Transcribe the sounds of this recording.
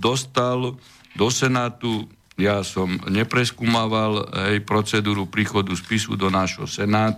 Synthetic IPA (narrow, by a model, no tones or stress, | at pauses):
d̪ɔst̪al | d̪ɔsɛnaːt̪u | jaːsɔmɲɛpɾɛskuːmaːʋalɦɛjpɾɔt͡sɛd̪uːɾupɾiːxɔd̪uspisṵd̪ɔnaːʒɦɔ̰sɛnaːt̪